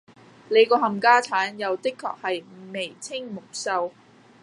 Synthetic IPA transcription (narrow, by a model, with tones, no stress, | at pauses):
le˨˧jkɔː˧ɦɐ˨mkaː˥t͡sʰaː˨˥njɐ˨˧wt̪ɪ˥kʰːɔ̰ː˨k̚hɐ˨jme˨˩jt͡sʰɪ˥ŋmʊ˨˩k̚sɐ˥w